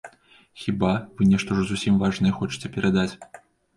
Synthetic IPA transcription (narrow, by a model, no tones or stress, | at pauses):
xʲibavɨnʲɛʂt̪ɐʐzusʲimvaʐnɐjɛxɔt͡ʂɨ̥t͡sʲɛpʲɛɾad̪at͡sʲ